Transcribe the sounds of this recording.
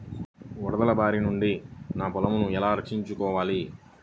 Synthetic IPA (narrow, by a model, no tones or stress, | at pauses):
uɾɐd̪ɐlɐbaːɾinuɳɖinaːpɔlɐmunuɛlaːɾɐkʂiɲt͡ʃukɔːʋaːli